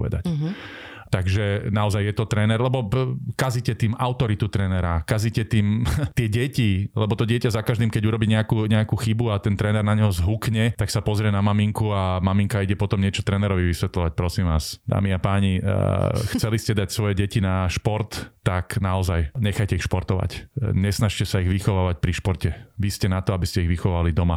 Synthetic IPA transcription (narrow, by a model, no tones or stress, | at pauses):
pɔʋɛ̰d̪a̰c | t̪aɡʒɛnaɔzajːjɛt̪ɔt̪ɾɛːnɛɾlɛbɔkazicɛt̪iːmaʊt̪ɔɾit̪ut̪ɾɛːnɛɾakazicɛt̪iːmt̪ɪɛɟɛcilɛbɔt̪ɔɟɪɛcazakaʒd̪imkɛɟuɾɔbiːɲɛakuɲɛakuːxibuat̪ɛnt̪ɾɛːnɛɾnaɲɛɦɔzɦukɲɛt̪aksapɔzɾɪɛnamamiŋkuamamiŋkaiɟɛpɔt̪ɔmɲɪɛt͡ʃɔt̪ɾɛnɛɾɔʋiʋisʋɛt̪lɔʋac̚pɾɔsimʋaːsd̪a̰ːmiapaːɲḭ | xt͡sɛliscɛd̪acsʋɔjɛɟɛcinaʃpɔɾt̪ːaknaɔzajɲɛxajcɛixʃpɔɾt̪ɔʋa̰cɲɛsnaʃcɛsaiɣʋixɔʋaːʋac̚pɾiʃpɔɾcɛʋiscɛnat̪ɔabiscɛiɣʋixɔʋalid̪ɔma